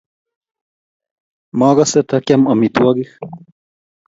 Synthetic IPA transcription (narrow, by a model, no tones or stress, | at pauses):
mɑːɣaset̪ɐkamɐmit̪waɡix